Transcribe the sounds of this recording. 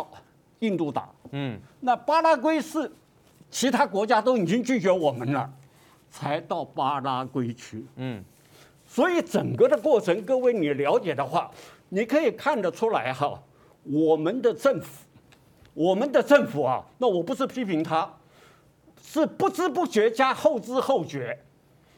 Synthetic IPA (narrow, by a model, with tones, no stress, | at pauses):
i˥˧nt̪u˥˩t̪a̰˨˩˦na˥˩pa˥la˥kwe˥ɪʂɻ̩˥˩ | t͡ɕʰi˧˥t̪ʰa˥kwɔ˧˥t͡ɕja˥t̪̬o˥ʊi˨˩t͡ɕi˥ŋt͡ɕy˥˩t͡ɕɥɛ˧˥wɔ˨˩mə˦nlə̰˧ | t͡sʰa˧˥ɪt̪ɑ˥˩ʊpa˥la˥kwe˥ɪt͡ɕʰy˥ | swɔ˧˥i˧˥ʈ͡ʂə˨˩ŋkə˥˧d̪ə˨kwɔ˥˩ʈ͡ʂʰə˧˥ŋkə˥˧we˧˥˩ɪni˨˩ljɑ˧˥ʊt͡ɕjɛ˨˩d̪ə˦xwa̰˥˩ | ni˨˩kʰɤ˧˥i˨˩kʰa˥˩nd̪ə˨ʈ͡ʂʰu˥la˧˥ɪxɐ˧ | wɔ˨˩mə˧˦nd̪ə˧ʈ͡ʂə˥˩ŋfu̥˨˩˦ | wɔ˨˩mə˦nd̪ə˧ʈ͡ʂə˥˩ŋfu˨˩ɐ̰˦na˥˩wɔ˨˩pu˧˥ʂɻ̩˥˩pʰi˥pʰi˧˥ŋt̪ʰa˥ | ʂɻ̩˥˩pu˥˩ʈ͡ʂɻ̩˥pu˥˩ɕɥɛ˧˥t͡ɕja˥xo˥˩ʊʈ͡ʂɹ̩ɻ̩˥xo˥˩ʊɕɥɛ˧˥